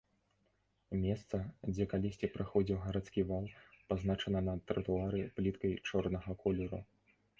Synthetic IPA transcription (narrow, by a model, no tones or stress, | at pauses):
mʲɛst̪sɐd͡zʲɛkalʲisʲtʲipɾɨxɔd͡zʲiwɣɐɾat̪skʲivalˠpaznat͡ʂɐnɐnɐt̪ːɾɐt̪uaɾɨplʲit̪kɐjt͡ʂɔrnɐɣɐkʰɔlʲɛɾṵ